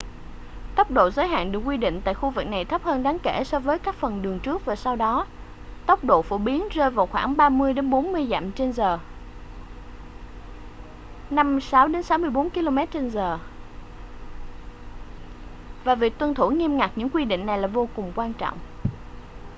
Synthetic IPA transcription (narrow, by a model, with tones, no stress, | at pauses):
t̪ə˦˥wk͡p̚ɗo̰˧˨zəː˨˦jɦa̰ː˧˨nɗɨ˨˩əkwi˧ɗḭ̈˧˨ŋ̟t̪a̰ː˧˨jxu˧vɨ˨˩k̚na˨˩jt̪ʰə˦˥p̚həː˧nɗaː˨˦ŋke˧˩sɔ˧vəː˨˦jkaː˦˥k̚fə˨˩nɗɨ˨˩əŋt͡ɕɨ˦˥ək̚vaː˨˩sa˧wɗɔ˨˦ | t̪ə˦˥wk͡p̚ɗo̰˧˨fo˧˩ɓi˨˦ənzəː˧jvaː˨˩wxwaː˧˩ŋɓaː˧mɨ˧əjɗe˨˦nɓo˨˦nmɨ˧əjza̰ː˧˨mt͡ɕe˧nzəː˨˩ | na˧msaː˨˦wɗe˨˦nsa˨˦wmɨ˧əjɓo˨˦nki˧lo˧mɛ˦˥t̚t͡ɕe˧nzəː˨˩ | vaː˨˩vi˨˩ək̚t̪wə˧nt̪ʰu˧˩ŋi˧əmŋa˨˩k̚ɲɨ̰˧˥ŋkwi˧ɗḭ̈˧˨ŋ̟na˨˩jlaː˨˩vo˧kʊ˨˩ŋ͡mkwaː˧nt͡ɕɔ̰˧˨wŋ͡mʔ